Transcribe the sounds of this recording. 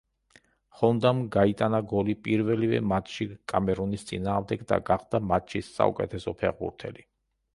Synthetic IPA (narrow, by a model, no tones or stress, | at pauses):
χɔnd̪amɡait̪ʼanaɡɔlipʼiɾvɛlivɛ̰mat̪ʰʃikʼamɛɾɔnist̪sʼḭnaːʁmd̪ɛɡd̪a̰ɡaχd̪amat̪ʃisːa̰ṵkʼɛt̪ʰɛsɔpʰɛʁbṵɾt̪ʰɛli